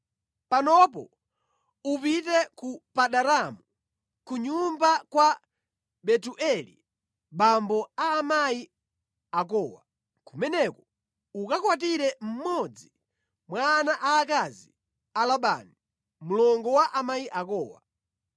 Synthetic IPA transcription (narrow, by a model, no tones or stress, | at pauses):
panɔpɔ̰ | up̬itɛkupaɗaɾamu | kuɲumbakwa | ɓɛtuʔɛlḭ | ɓambɔaːmaji | ak̬ɔːwa | kumɛnɛkɔ | ukakwat̬iɾɛm̩mɔd͡zi | mwanaʔaːkazi | alaɓa̰ni | mulɔŋɡɔwaʔamaiʔakɔːwa̰